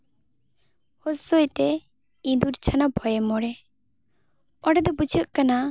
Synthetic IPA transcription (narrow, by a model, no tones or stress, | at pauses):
hɔsojt̪ɛ | ĩd̪uɾt͡ʃʰanabʱɔjɛmɔɽɛ | ɔɖɛd̪ɔbud͡ʒʰəʔkana